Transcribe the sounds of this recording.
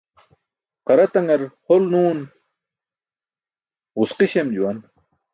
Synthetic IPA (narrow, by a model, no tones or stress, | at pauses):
qɐɾɐt̪ɐŋɐɾholnuːn | ʁusqiɕemd͡ʑuwɐn